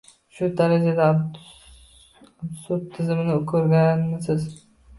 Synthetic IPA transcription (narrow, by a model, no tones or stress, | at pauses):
ʃʊd̪aɾad͡ʒad̪a | asʊt̪ʰːɪzɪmɪnɪkʰɵɾɡʲanmɪsɪz